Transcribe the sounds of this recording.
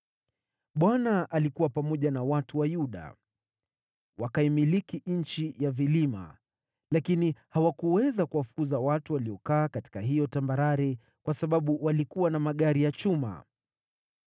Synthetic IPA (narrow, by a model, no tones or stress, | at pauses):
ɓwanaʔalikuwapamɔʄanawatuwajuɗa̰ | wakaimilikiɲ̩t͡ʃijavilima̰ | lakinihawakuwɛzakuwafu̥kuzawatuwaliɔkaːkati̥kaɦijɔtambaɾaɾɛ | kwasaɓaɓuwalikuwanamaɠaɾijat͡ʃuma̰